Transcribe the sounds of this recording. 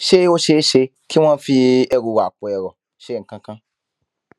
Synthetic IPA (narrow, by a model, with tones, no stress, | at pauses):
ʃe˦o˦ʃe˦ʃe˧˦ | kʰi˦w̃ã˦fi˧ɛ˧ɾu˧wa˨k͡po˨ɛ˨ɾɔ˨ | ʃe˦˨kã˦kã˦